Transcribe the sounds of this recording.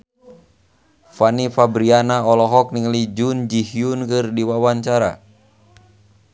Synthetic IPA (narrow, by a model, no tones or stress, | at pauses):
fanifabɾianaɔlɔɦɔk̚niŋəlid͡ʒund͡ʒihiunkɨrdiwawaɲt͡ʃaɾa̰